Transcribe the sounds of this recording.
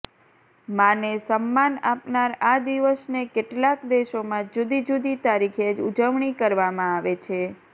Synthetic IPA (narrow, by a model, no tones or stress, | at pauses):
mãnesəmːanapnaɾad̪iʋəsnekeʈlakd̪eʃomãd͡ʒud̪id͡ʒud̪it̪aɾikʰed͡ʒud͡ʒəʋɳikəɾʋamãaʋet͡ʃʰe